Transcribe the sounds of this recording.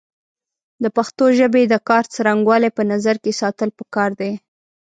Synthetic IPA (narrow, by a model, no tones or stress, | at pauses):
d̪əpaxt̪oʒəbed̪əkɑɾt͡saɾaŋɡwɑlepənazaɾkesɑt̪əlpəkɑɾd̪e